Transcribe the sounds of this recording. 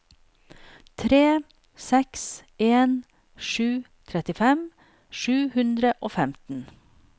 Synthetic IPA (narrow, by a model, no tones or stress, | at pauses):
t̪ʰɾeː | sɛkseːn | ʃʉː | t̪ʰɾɛt̪ɪfɛm | ʃʉːhʉnd̪ɾəʔoːfɛmt̪n̩